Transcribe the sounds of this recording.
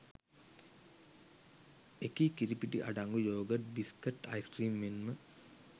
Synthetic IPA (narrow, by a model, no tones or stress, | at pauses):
ekikiɾipiʈḭʔɐ̰ɖaŋɡujoːɡɐtbiskɐʈːɐ̰jskriːmːinmə